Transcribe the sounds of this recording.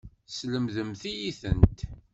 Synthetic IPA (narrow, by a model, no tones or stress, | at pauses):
sləmðəmθijiθə̰nt̪